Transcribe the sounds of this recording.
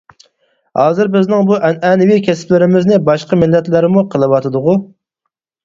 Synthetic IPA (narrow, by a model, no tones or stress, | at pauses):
hɑːzɨɾbɪznɪŋbuʔɛnɛnɪvikʲʰɛsɪ̥plɪɾɪmɪznɪbɑʃqɑmɪlːɛt̪lɪɾɪmuqʰəlˠɨwɑt̪ʰɨd̪ʊʁu